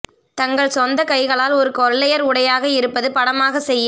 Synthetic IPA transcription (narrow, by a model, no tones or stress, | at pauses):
t̪ɐŋɡɐɭsɔnd̪ɐkɐɪɣɐɭaːlɔɾɯkɔɾɐɭɐjɐɾʊɽɐjaːɣɐɪɾɯpːɐðɯpɐɽɐmaːɣɐsɛjː